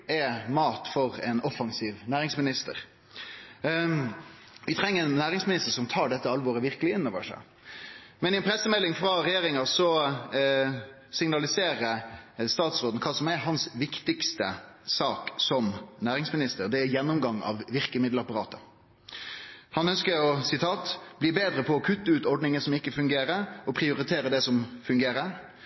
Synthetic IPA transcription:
ɛmɑːt̪fɔɾɛnɔfɑŋsiːʋnæːɾɪŋsmɪnɪst̪əɾ | ʋɪt̪ʰɾɛŋːəɾɛnːæːɾɪŋsmɪnɪst̪əɾʂɔmt̪ʰɑːɖɛt̪ːəɑlʋɔɾəʋɪɾkəlɪɪnːɔːʋəʂæ̰ɪ | mɛnɪɛnpʰɾɛsːəmɛlːɪŋfɾɑɾɛjeːɾɪŋɑsɔ | sɪŋnɑlɪseːɾəst̪ɑːt̪sɾoːd̪n̩kʰɑːsɔmæɾɦɑnsʋɪkt̪ɪkst̪əsɑːksɔmnæːɾɪŋsmɪnɪst̪əɾd̪ɛæjɛnːʊmɡɑŋːɑ̰ʋʋɪɾkəmɪd̪lɑpɑɾɑ̰ːt̪ə | hɑnœnskəɾɔsɪt̪ʰɑːt̪b̥liːbeːd̪ɾəpʰɔɔkʰʉt̪ːəʉːt̪ɔɾɖnɪŋəsɔmɪkːəfʉŋɡeːɾəɾɔpʰɾɪʊɾɪt̪ʰeːɾəd̪ɛsɔmfʉŋɡeːɾəɾ

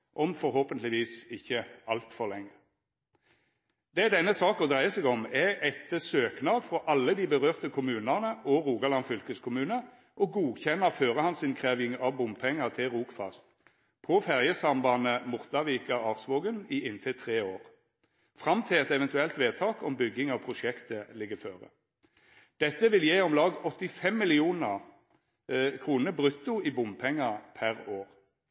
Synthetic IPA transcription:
ʔɔmfɔɾhoːpənlɪʋiːsɪçːəɑlt̪fɔʁlɛŋːə | d̪ɛd̪ɛnːəsɑːkɔd̪ʁæɪəsɛɡɔmɛʔɛt̪ːəsøːknɑd̪fɔʔɑlːəd̪iːbəʁøːʁt̪əkʰʊmʉːnəʁnəʔɔʁuːɡɑlɑnfʏlkəskʰʊmʉːnə | ʔɔɡuːçɛnːəføːʁəhɑnsɪnkʰʁeːʋɪŋɑʋbʊmpʰɛŋːəʁt̪ʰɪlʁuːkfɑ̰st̪ | pʰɔfæʁjəsɑmbɑnəmʊʁt̪ɑʋiːkəɑːʁsʋoːɡəniːɪnt̪ʰɪt̪ʰʁeːoːʁ | fʁɑmt̪ʰɪlɛt̪ɛʋɛnt̪ʉɛlt̪ʋeːt̪ʰɑːkɔmbʏɡːɪŋɑʋpʰʁʊʃɛkt̪əlɪɡːəføːʁə̰ | d̪̥ɛt̪ːəʋɪljeːɔmlɑːɡɔt̪ːɪfɛmːɪlɪuːnəʁ | kʰʁuːnəbʁʉt̪ʊiːbʊmpʰɛŋːəpʰæʁoːʁ

